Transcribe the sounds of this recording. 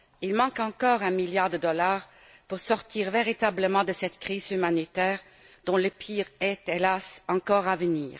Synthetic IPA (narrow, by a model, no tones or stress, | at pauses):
ilmɑ̃kɑ̃kɔːʁɛ̃miljaʁd̪əd̪ɔlaːʁ | puʁsɔʁt̪iːʁveʁit̪abləmɑ̃d̪əsɛt̪kʁiːzymanit̪ɛːʁ | d̪̥ɔ̃ləpʰiːʁɛt̪elasɑ̃kɔːʁavənḭːʁ